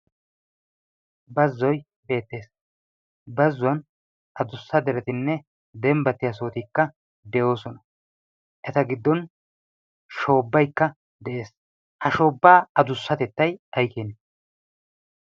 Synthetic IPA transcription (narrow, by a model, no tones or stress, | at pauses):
bɐzːɔj | be̞ːt̪ːe̞ːs | bɐzːʊwɐn | ʔɐd̪ʊsːɐd̪ɛɾɛt̪ɪnːɛ | d̪ɛmbɐt̪ːɪjɐs̬o̞ːt̪ikːɐ | d̪ɛjo̞ːsɔnɐ | ʔɛt̪ɐɡɪd̪ːɔn | ʃo̞ːbːɐjkːɐ | d̪ɛʔe̞ːs | hɐʃo̞ːbːaːɐd̪ʊsːɐt̪ɛt̪ːɐjɐjkeːn